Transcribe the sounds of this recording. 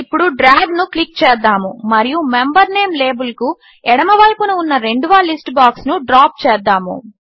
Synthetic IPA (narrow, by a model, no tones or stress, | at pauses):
ipːuɽuɖɾaːɡnuklik̚t͡ʃɛːd̪ːaːmumɐɾijumembɐɾne̞ːmle̞ːbulku | ɛɽɐmɐʋɐjpunuːnːɐɾe̞ɳɖuʋɐlisʈbaːksnuɖɾaːp̚t͡ʃɛːd̪ːaːmṵ